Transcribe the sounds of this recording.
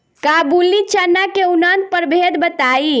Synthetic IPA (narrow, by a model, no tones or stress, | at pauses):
kabulit͡ʃənakeunant̪̚pəɾbʱed̪bət̪ai